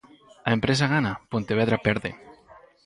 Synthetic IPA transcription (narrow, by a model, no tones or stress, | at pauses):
aempɾes̬aɣanapont̪eβeðɾapeɾðḛ